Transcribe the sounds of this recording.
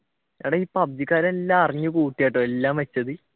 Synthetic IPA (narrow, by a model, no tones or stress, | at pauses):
aːɽeiːpːɐb̚d͡ʑikːaːɾɐmelːaːɐriɲːɨkuːʈːijaːʈːoːelːaːmʋet͡ɕːɐðɨ